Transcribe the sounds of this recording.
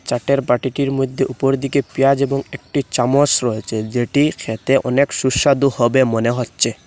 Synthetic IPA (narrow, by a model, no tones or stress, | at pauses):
t͡ɕaʈeɾpaʈiʈiɾmod̪ʱːeʔupoɾd̪ikepijad͡ʑeboŋek̚ʈit͡ɕamosɾɔet͡ɕʰed͡ʑeʈikʰet̪eʔɔ̰nekʃuɾʃad̪uhɔbemoneɦotːɕʰe